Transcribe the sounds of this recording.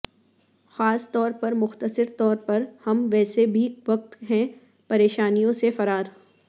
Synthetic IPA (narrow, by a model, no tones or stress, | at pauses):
xaːst̪ɔːɾpɐɾmʊxt̪əsɪɾt̪ɔːɾpɐɾhɐmʋɛːsebʱiʋɐk̚t̪ɦɛ̃ | pɐɾeːʃaːnijõsefɐɾaːɾ